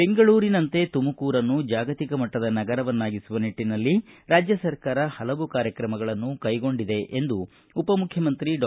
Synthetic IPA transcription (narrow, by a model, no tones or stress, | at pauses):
be̞ŋɡɐɭuːɾinɐnt̪e̞t̪umɐkuːɾɐnːud͡ʒaːɡɐt̪ikɐmɐʈːɐd̪ɐnɐɡɐɾɐʋɐnːaːɡisuʋɐniʈːinɐlːiɾaːd͡ʒjɐsɐɾkaːɾɐhɐlɐʋukaːɾjɐkɾɐmɐɡɐɭɐnːukɐjɡo̞ɳɖid̪e̞ʔend̪uː | pɐmukʰjɐmɐnt̪ɾiɖː